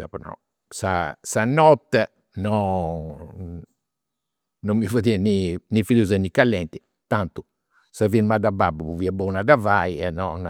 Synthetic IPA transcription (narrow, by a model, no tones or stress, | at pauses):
sa̰pɔnɔ̰ | sa̰sanɔt̪ːɛ | nɔ | nɔmːivoðiɛninifiluzanikːalːɛnt̪i | t̪ant̪u | savinmad̪ababuβuviɛbɔunadavaiɛnɔn